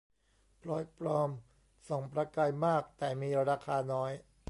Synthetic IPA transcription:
pʰlɔː˦˥jpɾɔː˧m | sɔ˩˦ŋpɾa˧kaː˧jmaː˥˩k̚t̪ɛː˨˩miː˧ɾaː˧kʰaː˧nɔː˦˥j

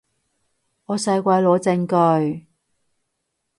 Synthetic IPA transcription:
ɔː˨˧sɐ˧jkʷɐ˧jlɔː˨˧t͡sɪ˧ŋkœ˧ɥ

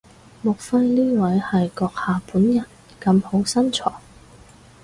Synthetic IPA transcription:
mʊ˨˩k̚fɐ˧jniː˥wɐ˨˥jhɐ˨jkɔː˧k̚haː˨puː˨˥njɐ˨˩n | kɐ˧mho˨˥wsɐ˥nt͡sʰɔ̰ː˨˩

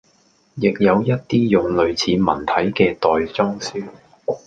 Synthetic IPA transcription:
jɪ˨k̚jɐ˨˧wjɐ˥t̚t̪iː˥jʊ˨ŋlɵ˨˧ɥt͡sʰiː˨˧mɐ̰˨˩nt̪ʰɐ˨˥jkɛː˧t̪ɔː˨jt͡sɔː˥ŋsyː˥

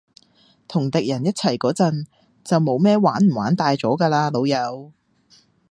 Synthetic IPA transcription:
t̪ʰʊ˨˩ŋt̪ɪ˨k̚jɐ˨˩njɐ˥t̚t͡sʰɐ˨˩jkɔː˨˥t͡sɐ˨n | t͡sɐ˨wmo˨˧wmɛː˥waː˨˥nm̩˨˩waː˨˥nt̪aː˧jt͡sɔː˨˥kaː˧laː˧lo˨˧wjɐ˨˧˥w

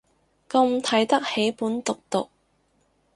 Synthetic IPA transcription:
kɐ˧ŋt̪ʰɐ˨˥jt̪ɐ˥k̚he˨˥jpuː˨˥nt̪ʊ˨k̚t̪ʊ̰˨k̚

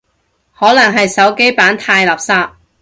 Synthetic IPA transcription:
hɔː˨˥lɐ˨˩ŋɦɐ˨jsɐ˨˥wke˥jpaː˨˥nt̪ʰaː˧jlaː˨˩p̚saː˧˥p̚

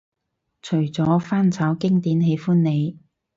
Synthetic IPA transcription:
t͡ʃʰɵ˨˩jt͡sɔː˨˥faː˥nt͡sʰɐː˨˥wkɪ˥ŋt̪iː˨˥nɦe˨˧˥jfuː˥nne˨˧j

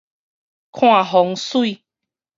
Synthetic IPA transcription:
kʰɔ̃˦a˨ɦɔ˨˦ŋ˦su˦i˧

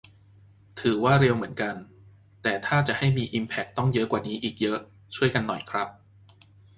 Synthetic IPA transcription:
t̪ʰɯː˩˦waː˥˩ɾe˧wmɯ˩˦ənka˧n | t̪ɛː˨˩t̪ʰaː˥˩t͡ɕa˨˩ʔha˥˩jmiː˧ʔi˧mpʰɛ˦˥k̚t̪ɔ˥˩ŋjɤ˦˥ʔkwaː˨˩niː˦˥ʔiː˨˩k̚jɤ˦˥ʔ | t͡ɕʰu˥˩əjka˧nːɔ˨˩jkʰɾa˦˥p̚

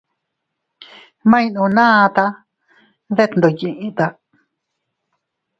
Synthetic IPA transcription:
mã˦ĩ˧nũ˧nã˦˧t̪a˧ | ðe˦t̪nd̪o˨jĩ˧ʔĩ˧t̪a˧

